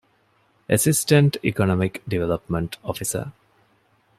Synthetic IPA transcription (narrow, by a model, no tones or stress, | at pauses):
ʔəsisʈəɳʈikonɔmikɖiʋeləpmə̃ɳʈɔfisə̰